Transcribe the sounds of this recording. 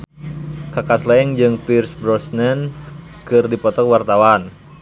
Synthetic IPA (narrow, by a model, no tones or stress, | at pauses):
kakaslaɛŋd͡ʒɨŋpirsbɾɔsnɛnkɨrdipɔt̪ɔkwart̪awan